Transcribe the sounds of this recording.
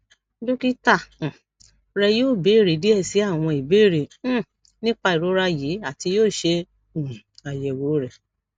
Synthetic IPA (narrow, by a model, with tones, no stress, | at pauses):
do˦ki˦tã˦˨ | ɾɛ˧jo˦˨be˨˦i˦˨ɾe˨˦di˦ɛ˦˨si˨˦a˦˨w̃ɔ̃˧i˨be˦˨ɾẽ˨˦ | nĩ˦k͡pa˧i˨ɾo˨˦ɾa˧ji˨˦a˦˨ti˧joː˦˨ʃe˧˨ | a˨jɛ˨wo˨˦ɾɛ˨